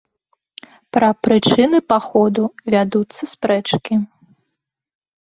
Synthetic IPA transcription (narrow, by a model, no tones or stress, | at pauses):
pɾɐpɾɨt͡ʂɨnɨpaxɔd̪uvʲad̪ut̪sːɐspɾɛt͡ʂkʲi